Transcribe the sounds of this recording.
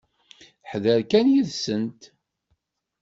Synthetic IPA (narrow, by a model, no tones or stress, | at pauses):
ħðəɾkænjiðsənt̪